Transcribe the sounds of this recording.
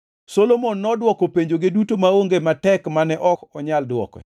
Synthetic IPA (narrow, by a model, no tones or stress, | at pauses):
solomonːɔdwɔkɔpeɲd͡ʒoɡedutomaoŋɡematɛkmanɛʔɔkɔɲaldwɔ̰kɔ̰